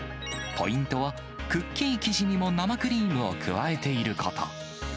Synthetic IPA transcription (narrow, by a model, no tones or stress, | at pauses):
po̞ĩnt̪o̞βa | kɯ̟kʲːĩɰikʲiʑiɲ̟imo̞namakɯ̟ɾʲiːmɯ̟o̞̰kʰɯ̟̰βae̞t̪e̞iɾɯ̟kʰat̪ʰa̰